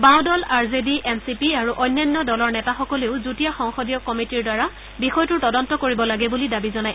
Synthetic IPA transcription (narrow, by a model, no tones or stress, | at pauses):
baw̃dɔlaɹzediʔɛnsipiaɹuʔɔjnːɔnːɔdɔlɔɹnɛtaxɔkɔleʊzutijaxɔŋxɔdijɔkɔmitiɹdaɹa | bixɔjtʊɹtɔdɔntɔkoɹibɔlaɡɛbulidabizɔnaj